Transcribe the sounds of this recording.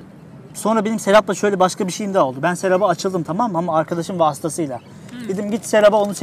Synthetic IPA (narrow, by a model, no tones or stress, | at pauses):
so̞nɾabe̞nimseɾʲap̪lˠaʃø̞jlʲɛbaʃkʰabiʃejimd̪ɛo̞lˠd̪ubænseɾabaːt͡ʃʰɯlˠd̪ɯmt̪ʰamamamaːɾkʰad̪aʃɯmvaːst̪ʰasɯjlˠa | bed̪imɟit̪seɾabao̞nus